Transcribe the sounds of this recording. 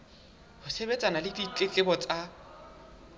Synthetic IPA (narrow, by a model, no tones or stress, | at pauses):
hʊsebet͡sʼanalɪdit͡ɬʼɪt͡ɬʼɪbɔt͡sʼa